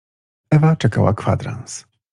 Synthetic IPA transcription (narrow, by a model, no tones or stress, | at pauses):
ɛvat͡ʂɛkawa̰kfa̰d̪ɾa̰ns